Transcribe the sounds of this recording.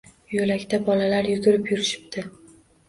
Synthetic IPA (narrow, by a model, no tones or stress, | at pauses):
jolakʲt̪ʰabɒlalaɾjʊɡʲʊɾɪpjʊɾɪʃɪ̥p̚t̪ʰɪ